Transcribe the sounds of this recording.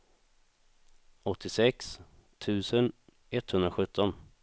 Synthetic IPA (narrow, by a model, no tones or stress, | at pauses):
ɔt̪ʰːɪsɛkst̪ʰʉ̟ːsən | ʔɛt̪hɵnd̪ɾaɧɵt̪ʰːɔn